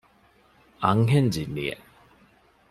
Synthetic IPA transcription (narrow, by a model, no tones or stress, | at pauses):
aŋɦɛnd͡ʑiniɛ̰